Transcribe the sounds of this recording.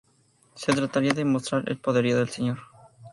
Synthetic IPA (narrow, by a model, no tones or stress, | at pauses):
se̞t̪ɾat̪aɾiaðemo̞st̪ɾaɾḛlpo̞ðeɾioðe̞lseɲoɾ